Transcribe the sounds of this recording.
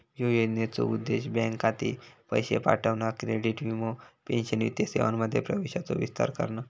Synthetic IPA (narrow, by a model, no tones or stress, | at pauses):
jojod̪net͡so̰ud̪ːeɕbɛ̃ŋkat̪ipəjɕḛpa̰ʈʰəʋnakɾeɽiʈʋimopenɕənʋḭt̪jəseʋanməd̪ʱːjepɾəʋeɕat͡so̰ʋist̪a̰ɾkə̰ɾna